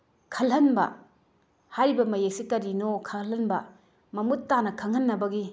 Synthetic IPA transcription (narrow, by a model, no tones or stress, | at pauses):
kʰɐlɦɐnbɐ̰ | hajɾibɐmɐjek̚sikɐɾinokʰalɐnbɐ | mɐmutːanɐkʰɐŋhɐnːɐbɐɡi